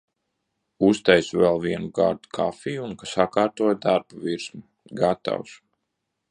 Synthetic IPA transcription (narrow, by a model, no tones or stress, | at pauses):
ust̪ɛjsvɛlˠviɛnuɡaɾd̪u̥kʰafijunkasakaːɾt̪uɔjd̪aɾbuviɾsmu | ɡat̪a̰ws